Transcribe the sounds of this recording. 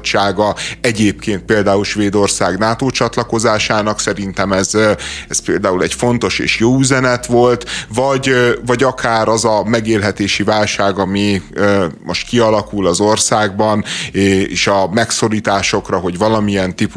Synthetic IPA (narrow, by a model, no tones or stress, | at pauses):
t͡ʃːaːɡɒɛɟeːp̚keːnt̪̚peːld̪aːulʃʋeːd̪o̞rsaːɡnaːt̪oːt͡ʃɒt̪lɒko̞zaːʃaːnɒksɛɾint̪ɛmɛzɛspeːld̪aːulɛɟfo̞nt̪o̞ʃḛːʃjoːyzɛnɛt̪ʋo̞lt̪vɒɟvɒɟɒkʰaːɾɒzɒmɛɡeːlɦɛt̪eːʃivaːlʃaːɡɒmiømo̞ʃt̪̚kiɒlɒkulɒzo̞rsaːɡ̚bɒnː | ʃɒmɛkso̞ɾiːt̪aːʃokrɒɦo̞ɟʋɒlɒmijɛnt̪ipu